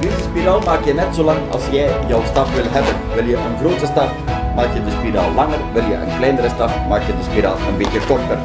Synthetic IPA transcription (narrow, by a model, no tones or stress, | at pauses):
dɪzəspiraːlˠmaːkjənɛtsoːlɑŋɑ̰lˠsjɛjjɔwstɑpʋɪlˠɦɛbənʋɪlˠjəʔənɣroːtəstɑf | maːkjədəspira̰ːlˠːɑŋərʋɪlˠjə̰ʔə̰nklɛjnəɾəstɑfmaːkjədəspiɾaːlˠənbɪtjəkɔrtər